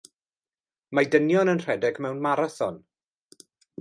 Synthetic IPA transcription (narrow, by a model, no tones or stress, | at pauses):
madənjɔnənr̥ɛdɛɡmɛwnmaɾaθɔ̰n